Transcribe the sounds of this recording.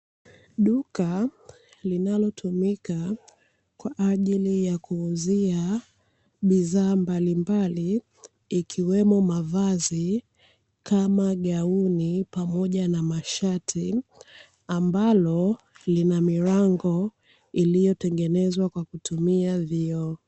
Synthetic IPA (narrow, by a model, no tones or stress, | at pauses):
ɗuka | linalɔtʰumika | kwaʔːʄilijakuːzia | ɓiðaːmbalimbaliː | kʰiwɛmɔmavazi | kʰamaɠaunipamɔʄanamaʃatʰi | ambalɔ | linamiɾaŋɡɔ | ilijɔtɛŋɡɛnɛzwakwakutʰumiaviɔ